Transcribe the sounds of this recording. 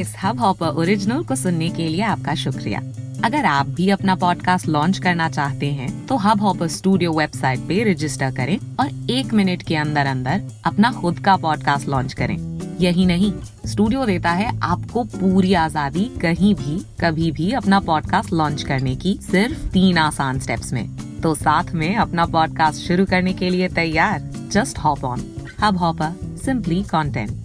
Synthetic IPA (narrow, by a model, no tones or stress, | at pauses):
ɪshɐbɦɔːpəʔoːɾɪd͡ʒnoːɾkosʊnːekelieaːp̚kaʃʊkɾḭja̰ːɐɡəɾaːp̚bʱiɐpnapɔːɖkaːsʈlɔ̃ːnt͡ʃkɐɾnat͡ʃaːɦt̪eɦɛ̃t̪oɦɐbɦɔːpəɾsʈuːɖijoʋɛːbsaːɪʈ̚peɾɪd͡ʒɪsʈəɾkɐɾẽɔːɾeːkmɪnɪʈkeɐ̃nd̪əɾɐ̃nd̪əɾɐpnaxʊd̪kapɔːɖkaːsʈlɔ̃ːɲt͡ʃkɐɾḛ̃ːjɐɦĩnɐɦĩ | sʈuːɖijod̪eːt̪aɦɛʔaːpkopuːɾiaːzaːd̪ikɐɦĩbʱikɐbʱibʱiɐpnapɔːɖkaːsʈlɔ̃ːnt͡ʃkɐɾnekisɪɾft̪iːnaːsaːnsʈɛ̰ːpsmḛ̃ːt̪oːsaːt̪ʰmẽɐpnapɔːɖkaːsʈʃʊɾukɐɾnekeliet̪ɐjaːɾd͡ʒɐsʈhɔːpɔːnhɐbɦɔːpəsɪ̃mplikɔ̃ːɳʈɛ̰̃ɳʈ̚